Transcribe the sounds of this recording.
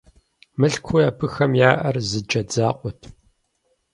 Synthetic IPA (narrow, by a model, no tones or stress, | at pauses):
mɨɬkʷʰʊjaːpʰɨxɐmjaːʔɐrzɨd͡ʒɐd͡zaːqʷʼɔtʰ